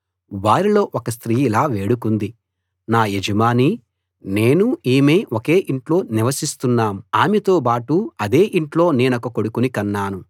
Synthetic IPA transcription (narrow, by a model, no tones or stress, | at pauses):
ʋaːɾilo̞ːʔɔkɐst̪ɾiːilaːʋe̞ːɽukund̪i | naːjed͡ʒɐmaːni | ne̞ːnuiːme̞ːʔoke̞ːʔiɳʈlo̞ːniʋɐsist̪unːaːmuaːmet̪o̞ːbaːʈuɐd̪e̞ːʔiɳʈlo̞ːne̞ːnɐkɐkoɽukunikɐnːaːnu